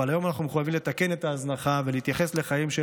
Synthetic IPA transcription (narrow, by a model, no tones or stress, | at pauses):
alajo̞manaχnumeχujavimlet̪ake̞net̪aːznaχaveleit̪jaχe̞sle̞χajimʃe